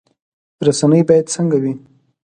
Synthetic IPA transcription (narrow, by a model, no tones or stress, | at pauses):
ɾasanəjbɑjad̪səŋɡawi